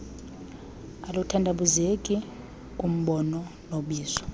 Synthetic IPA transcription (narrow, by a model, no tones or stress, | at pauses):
alutʰandʱaɓuzekʼi | kʼum̩ɓɔnɔnoɓiːzɔ̥